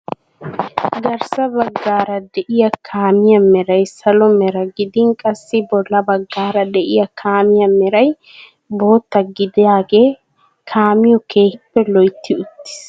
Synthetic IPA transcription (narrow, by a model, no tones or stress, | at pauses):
ɡɐɾsɐbɐɡːaːɾɐd̪ɛʔɪjɐkʰaːmɪjɐmɛɾɐjsɐlɔmɛɾɐɡɪd̪ɪŋkʼɐsːɪbɔlːɐbɐɡːaːɾɐd̪ɛʔɪjɐkʰaːmɪjɐmɛɾɐj | bo̞ːt̪ːɐɡɪd̪ɪjaːɡeː | kʰaːmɪjɔke̞ːhpːɛlɔjt̪ːɪʊt̪ːɪ̥s